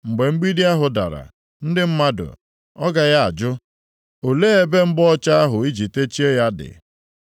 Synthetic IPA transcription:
ŋ͡m̩˨ɡ͡be˨ŋ͡m̩˦ɡ͡bi˦di˦a˦ɦʊ˨da̰˨ɾa̰˨ | n̩˦dɪ˦m̩˦ma˦dʊ̰˨ | ɔ˦ɡa˨ja˦a̰˨d͡ʒʊ˦ | o˨leː˦e˦be˦ŋ͡m̩˦ɡ͡bɔ˦t͡ʃa˦a˦ɦʊ˨i˦d͡ʒi˨te˦t͡ʃi˦e˦ja˦dɪ̰˨

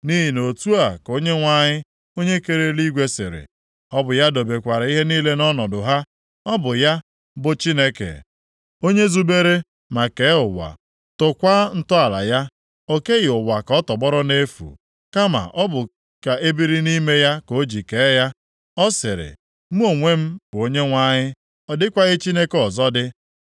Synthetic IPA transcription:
ni˦ɦi˨no˨tu˦a˨ko˦ɲe˦ŋʷa˦ɲɪ˦ | o˦ɲe˦ke˦ɾe˦li˦ɡʷe˦sɪ̰˨ɾɪ̰˨ | ɔ˦bʊ˨ja˦do˨be˨kʷa˨ɾi˦ɦe˦niː˦le˦nɔ˦nɔ˨dʊ˨ɦa˦ | ɔ˦bʊ˨ja˦ | bʊ˨t͡ʃi˦ne˦kḛ˨ | o˦ɲe˦zu˦be˦ɾe˦ | ma˨ke˨˦ʊ˨wa̰˨ | tʊ˨kʷa˦n̩˦tʊ˦a˨la̰˨ja˦ | o˦ke˦ɣɪ˨ʊ˨wa˨kɔ˦tɔ˨ɡ͡bɔ˦ɾɔ˦ne˦fṵ˨ | ka˦ma̰˨ʔɔ˦bʊ˨ | ka˨ʔe˦bi˦ɾi˦ni˦me˦ja˦ko˦d͡ʒi˨ke˨˦ja˦ | ɔ˦sɪ˨ɾɪ̰˨ | mu˦o˨ŋʷe˦m̩˦bʊ˨o˦ɲe˦ŋʷa˦ɲɪ˦ | ɔ˨dɪ˦kʷa˦ɣɪ˦t͡ʃi˦ne˦kɔ˨zɔ˦dɪ˦

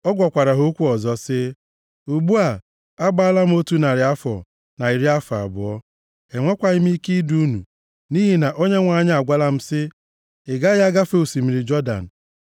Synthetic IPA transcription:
ɔ˦ɡʷɔ˨kʷa˨ɾa˨ɦo˦kʷu˦ɔ˨zɔ˦sɪ˦ | u˨ɡ͡bu˦a˨ | a˦ɡ͡ba˦a˦la˦m̩˦o˦tu˦na˨ɾɪ˨a˦fɔ̰˨ | na˨i˨ɾi˦a˦fa̰˨bʊ̰˨ɔ˦ | e˨ŋʷa˦kʷa˨ɪ˦m˦i˦ki˦du˦nṵ˨ | ni˦ɦi˨na˨ʔo˦ɲe˦ŋʷa˨˦˨ɲ˦a˨ɡʷa˦la˦m̩˦sɪ˦ | ɪ˨ɡa˦ja˦ɡa˦fe˦u˨si˨mi˨ɾi˨d͡ʒɔ˦da̰˨n̩˨

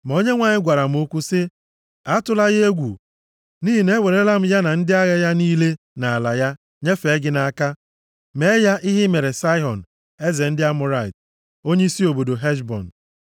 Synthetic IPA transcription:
m̩˨o˦ɲe˦ŋʷa˨ɲɪ˦ɡʷa˨ɾa˨m̩˦o˦kʷu˦sɪ˦ | a˦tʊ˦la˦ɣɪ˦e˦ɡʷu˨ | niː˦ɦi˨ne˦we˨ɾe˦la˦m̩˦ja˦na˨n̩˦dɪ˦a˦ɣe˦ja˦niː˦le˦ | na˨a˨la˨ja˦ | ɲe˦fe˨˦ɡɪ˦na˨a˦ka˦ | me˦ja˦ʔɪ˦ɦɪ˦me˨ɾe˨sa˦ɪ˦ɦɔ˨n̩˨ | e˦ze˨n̩˦dɪ˦a˦mʊ˦ɾa˦˨ɪ˨t | o˦ɲe˦i˦si˦o˨bo˨do˨ɦe˦ʃbɔ̰˨n̩˨

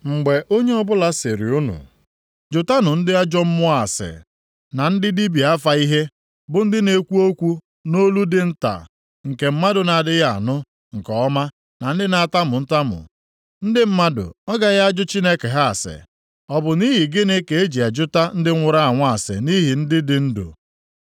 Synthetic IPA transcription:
ŋ͡m̩˨ɡ͡be˨ʔo˦ɲe˦ɔ˦bʊ˦la˦se˨ɾḭ˨u˦nṵ˨ | d͡ʒʊ˨ta˦nʊ˨n̩˦dɪ˦a˦d͡ʒɔ˦m̩˦mʊ˦a˨sɪ̰˨ | na˨n̩˦dɪ˦di˦bi˨a˦fa˨i˦ɦe˦ | bʊ˨n̩˦dɪ˦ne˨kʷu˦o˦kʷu˦ | no˦lu˦dɪ˦n̩˦ta̰˨ | ŋ̩˨ke˨m̩˦ma˦dʊ˨na˨dɪ˦ɣa̰˨nʊ˦ | ŋ̩˨kɔ˨ɔ˦ma˦ | na˨n̩˦dɪ˦na˨a˨ta˦mʊ˨n̩˦ta˦mʊ̰˨ | n̩˦dɪ˦m̩˦ma˦dʊ̰˨ɔ˦ɡa˨ɣa˦d͡ʒʊ˦t͡ʃi˦ne˦ke˨ɦa˦a˨sɪ̰˨ | ɔ˨bʊ˨ni˦ɦi˨ɡɪ˦ne˦ke˨e˦d͡ʒi˨a˨d͡ʒʊ˦ta˦n̩˦dɪ˦ŋʷʊ˨ɾa˦a˨ŋʷa˦˨sɪ̰˨ni˦ɦi˨n̩˦dɪ˦dɪ˨n̩˦dʊ̰˨

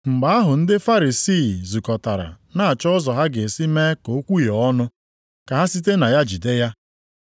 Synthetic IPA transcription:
ŋ͡m̩˨ɡ͡ba˨a˦ɦʊ˨n̩˦dɪ˦fa˦ɾi˨siː˦˨zu˨kɔ˨ta˨ɾa̰˨ | na˦a˨t͡ʃɔ˦ʊ˦zɔ˨ɦa˦ɡe˨si˦meː˦ko˨˦kʷu˦je˨ɔ˦nʊ˦ | ka˨a˦si˦t̬e˦na˨ja˦d͡ʒi˨de˦ja˦

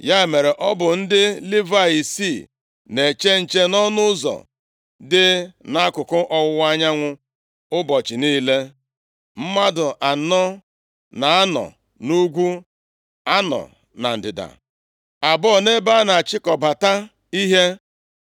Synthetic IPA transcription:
ja˦˨me˨ɾe˨ʔɔ˦bʊ˨n̩˦dɪ˦li˦va˦i˨si˦˨ | ne˨t͡ʃe˦n̩˨t͡ʃe˦nɔ˦nʊ˦zɔ̰˨ | dɪ˦na˦kʊ˨kʊ˦ʔɔ˦wʊ˦wa˦ɲa˦ŋʷʊ˦ | ʊ˦bɔ˨t͡ʃɪ˨niː˦le˦ | m̩˦ma˦dʊ˨ʔa˨nɔ˦ | na˨a˦nɔ̰˨ | nu˦ɡʷu˦ | a˦nɔ̰˨ | na̰˨n̩˨dɪ˨da̰˨ | a˨bɔ˦˨ne˦ba˦na˨a˨t͡ʃɪ˦kɔ˨ba˨ta˦ | i˦ɦe˦

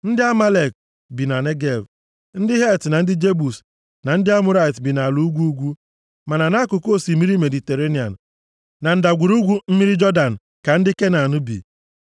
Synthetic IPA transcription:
n̩˦dɪ˦a˦ma˦le˨k̚ | bi˨na˨ne˦ɡe˨v | n̩˦dɪ˦ɦe˦˨tna˨n̩˦dɪ˦d͡ʒe˦bu˨s | na˨n̩˦dɪ˦a˦mʊ˦ɾa˦i˨tbi˨na˨lu˨u˦ɡʷu˦u˦ɡʷu˦ | ma˨na˨na˦kʊ˨ko˦˨si˨mi˦ɾi˦me˨di˨te˨ɾe˦ni˨a̰˨n̩˨ | na˨n̩˨da˨ɡʷu˨ɾu˦ɡʷu˦m̩˦mi˦ɾi˦d͡ʒɔ˦da˨n̩˨ | ka˨n̩˦dɪ˦ke˦na˨nʊ˦bḭ˨

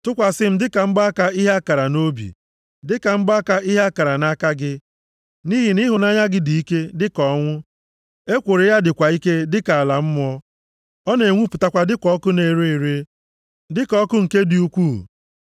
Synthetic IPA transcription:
tʊ˦kʷa˨sɪ˦m̩˦dɪ˦ka˨m̩˦ba˦a˦ka˦i˦ɦa˦a˦ka˨ɾa˨no˦bḭ˨ | dɪ˦ka˨m̩˦ba˦ka˦i˦ɦa˦a˦ka˨ɾa˨na˦ka˦ɡɪ˦ | ni˦ɦi˨ni˦ɦʊ˨na˦ɲa˦ɡɪ˦di˨i˦ke˦dɪ˦kɔ˨˦ŋʷʊ˦ | e˦kʷo˨ɾe˨˦ja˦dɪ˨kʷa˨i˦ke˦dɪ˦ka˨a˨la˨m̩˦m˦ɔ˦ | ɔ˦ne˨ŋʷu˦pʊ˨ta˦kʷa˨dɪ˦kʷɔ˦kʊ˦ne˨ɾe˦˨ɾe˦ | dɪ˦kɔ˦kʊ˦ŋ̩˨ke˦di˨u˦kʷu˦˨

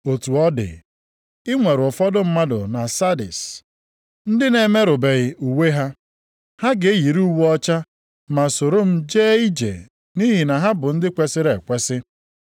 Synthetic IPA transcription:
o˨tu˨ɔ˦dɪ̰˨ | ɪ˦ŋʷe˨ɾʊ˨fɔ˦dʊ˦m̩˦ma˦dʊ̰˨na˨sa˦dɪ̰˨s | n̩˦dɪ˦ne˨me˦ɾʊ˨be˨ɣɪ˨u˨we˦ɦa˦ | ha˦ɡe˨e˦ji˨ɾu˦wu˦ɔ˦t͡ʃa˦ | ma˨so˨ɾo˦m̩˦d͡ʒe˦i˦d͡ʒḛ˨ | ni˦ɦi˨na˨ɦa˦bʊ˨n̩˦dɪ˦kʷe˦sɪ˦ɾe˨kʷe˦sɪ˦

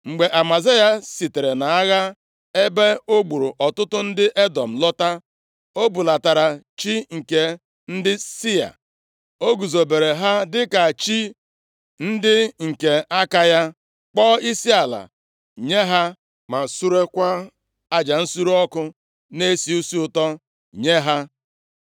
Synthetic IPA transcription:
ŋ͡m̩˨ɡ͡be˨ʔa˨ma˨ze˦ja˦si˨te˨ɾe˨na˨a˦ɣa˦ | e˦be˦o˦ɡ͡bu˨ɾu˨ʔɔ˨tʊ˦tʊ˦n̩˦dɪ˦ʔe˦dɔ˨m̩˨lɔ˦ta˦ | o˦bu˨la˨ta˨ɾa˨ | t͡ʃi˦ŋ̩˨ke˨ | n̩˦dɪ˦si˦a̰˨ | o˦ɡu˨zo˨be˨ɾe˨ɦa˦dɪ˦ka˨t͡ʃi˦ | n̩˦dɪ˦ŋ̩˨ke˨a˦ka˦ja˦ | k͡pɔː˦i˦si˦a˨la̰˨ | ɲe˦ɦa˦ | ma˨su˦ɾe˦kʷa˦ | a˦d͡ʒa˨n̩˦su˦ɾu˦ɔ˦kʊ˦ | ne˦si˨u˦si˦ʊ˨tɔ˦ | ɲe˦ɦa˦

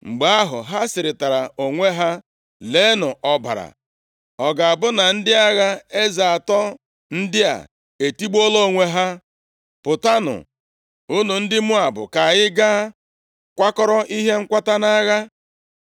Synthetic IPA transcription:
ŋ͡m̩˨ɡ͡ba˨a˦ɦʊ̰˨ɦa˦sɪ˨ɾɪ˨ta˨ɾa˨o˨ŋʷe˦ɦa˦ | le˨˦nʊ˨ʔɔ˦ba̰˨ɾa̰˨ | ɔ˨ɡa˨a˨bʊ˦na˨n̩˦dɪ˦a˦ɣa˦e˦za˨a˨tɔ˦ | n̩˦dɪ˦a̰˨ | e˨ti˦ɡ͡bo˦lo˦˨ŋʷe˦ɦa˦ | pʊ˨ta˦nʊ̰˨ | ʊ˦nu˨n̩˦dɪ˦mʊ˦a˨bʊ̰˨ka˨ɣɪ˦ɡa˦ | kʷa˦kɔ˦ɾɔ˦ʔi˦ɦe˦ŋ̩˦kʷa˦ta˦na˦ɣa˦

